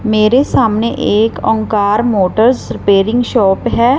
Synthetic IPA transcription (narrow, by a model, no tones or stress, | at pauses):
meːɾesaːmneʔeːkɔ̰̃ŋkaːɾmoːʈəɾzɾɪpeːɾɪ̃ŋɡʃɔːpɦɛː